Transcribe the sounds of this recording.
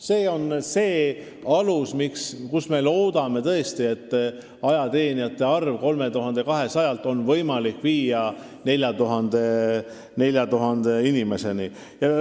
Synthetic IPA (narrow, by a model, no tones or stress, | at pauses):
se̞ːo̞nse̞ː | ɑlusmikskusme̞lo̞ːd̪ɑme̞t̪ɤest̪ie̞t̪ː | ɑjɑt̪e̞ːniɑt̪ːe̞ɑrvko̞lme̞t̪uɦɑnd̪̥e̞kɑɦe̞sɑjɑlt̪ːˑo̞nvɤjmɑlikviːjɑ | ne̞lʲjɑt̪uɦɑnd̪̥e̞ | ne̞lʲjɑt̪uɦɑnd̪̥e̞inime̞se̞ni | jɑ